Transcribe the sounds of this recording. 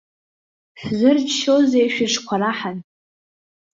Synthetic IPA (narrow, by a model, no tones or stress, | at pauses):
ħzɨrt͡ʃʰʃozejʃᶣɪʂkʷʰaɾaħan